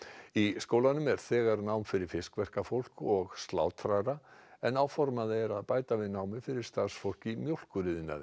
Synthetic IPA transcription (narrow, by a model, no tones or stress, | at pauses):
iskowlanʏmɛɾ̥θɛːɣaɾnawmfɪɾɪɾ̥fɪskvɛr̥kafowl̥kɔɣst̪la̰ːwt̪ʰɾajɾaɛnːawfɔɾmaðɪɛɾaðpaːjt̪avɪðnawmɪfɪɾɪɾ̥st̪aɾ̥sfowl̥cɪmjowl̥kʏɾɪðɪnːa̰ð